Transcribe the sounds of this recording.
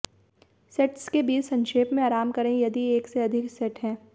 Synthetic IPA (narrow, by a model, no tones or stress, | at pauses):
sɛʈskebiːt͡ʃsɐ̃nʃeːpmẽaːɾaːmkɐɾẽjɐd̪ieːkseɐd̪ʱɪksɛʈɦɛ̃ː